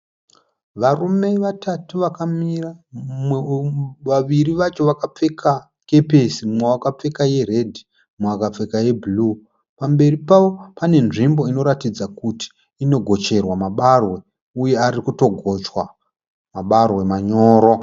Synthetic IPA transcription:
ʋarume̞ʋatatuʋakamiram | ʋaʋiriʋat͡ʃo̞ʋakap͡fe̞kʰa | ke̞pesimwewakap͡fe̞kaje̞re̞dʱi | maakap͡fe̞kaje̞bʱlu | pambe̞ripaʋo̞pane̞nʐimbo̞ino̞ɾatid͡zakuti̥ː | no̞ɡʱo̞t͡ʃe̞rwamaɓarwe̞ | uje̞aɾikuto̞ɡʱo̞t͡ʃwa | maɓarwe̞maɲo̞ːɾo̞

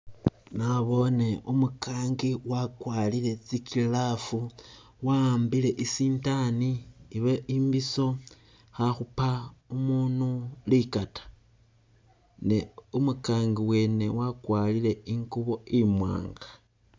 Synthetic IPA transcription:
naβo̞ne̞umukaːŋɡiwakwalile̞t͡sikilafu | wambile̞ʔisiːntaniːβeimbiso̞ | xaxupaumuːnulikatḁ | ne̞umukaːŋɡiwe̞ːne̞wakwalile̞iŋkuβo̞imwa̰ːŋɡḁ

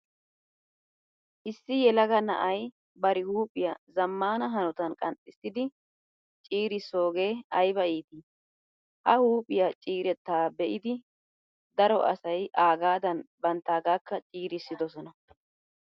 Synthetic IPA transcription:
ʔɪsːɪjɛlɐɡɐnɐ̰ʔɐj | bɐɾɪhuːpʼɪjɐzɐmːaːnɐɦɐnɔt̪ɐnkʼɐnt̪ʼɪsɪd̪ɪ | t͡ʃʼiːɾɪso̞ːɡe̞ːɐjbɐʔiːt̪i | hɐhuːpʼɪjat͡ʃʼiːɾɛt̪ːaːbɛʔɪd̪ɪ | d̪ɐɾɔʔɐ̰sɐjʔaːɡaːd̪ɐnbɐnt̪ːaːɡaːkːɐt͡ʃʼiːɾɪsːɪd̪ɔsɔnɐ

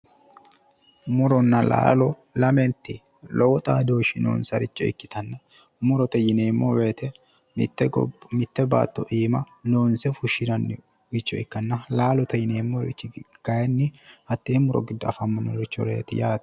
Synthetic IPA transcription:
mʊɾɔnːɐla̰ːlɔ | lɐmɛnt̪ːɪ | lʔɔwɔt̪ʼaːd̪oːʃɪno̰ːnsɐɾɪt͡ʃʼːɔ̰ɪ̰kːɪt̪ɐnːɐ | mʊɾɔt̪ɐjɪneːmːo̰weːt̪ɛ | mt̪ːɛɡmɪt̪ːɛba̰ːt̪ːɔʔiːmɐ | noːnsɛfʊʃɪnɐnːɪ | ʊt͡ʃːɔɪkːɐnːɐlaːlɔt̪ɐjɪneːmːoɾɪ̰t͡ʃːɪɡ̥ɐjɛnːɪhɐt̪ːeːmʊɾɔ̰ɡɪd̪ːʊɐfɐmːɐnːɔɾɪt͡ʃːɔɾḛːt̪ɪ̰jaːt̪ɐ̥

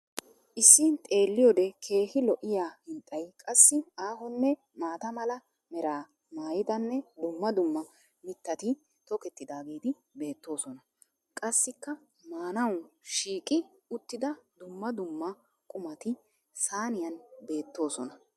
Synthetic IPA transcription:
ʔɪsːɪnt̪ʼe̞ːlːɪjɔd̪ɛkʰe̞ːhɪlɔʔɪjaːhɪnt̪ʼɐjkʼɐsːɪaːɦɔnːɛ | maːt̪ɐmɐlɐ | mɛɾaː | maːjɪt̪ɐnːɛd̪ʊmːɐd̪ʊmːɐ | mɪt̪ːɐt̪ɪ | t̪ɔkɛt̪ːɪd̪aːɡiːd̪ɪ | be̞ːt̪ːo̞ːsɔnɐ | kʼɐsːɪkːɐ | maːnɐwʃiːkʼɪ | ʊt̪ːɪd̪ɐd̪ʊmːɐd̪ʊmːɐ | kʼʊmɐt̪ɪ | saːnɪjɐnbe̞ːt̪ːo̞ːsɔnɐ

